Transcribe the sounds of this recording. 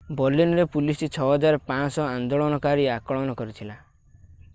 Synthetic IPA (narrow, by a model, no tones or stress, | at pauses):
bɔɾlinɔɾepulisɾit͡ʃʰɔɦɔd͡ʒaɾpãsɔãnd̪oɭɔnɔkaɾiakɔɭɔnɔkɔɾit̪ʰila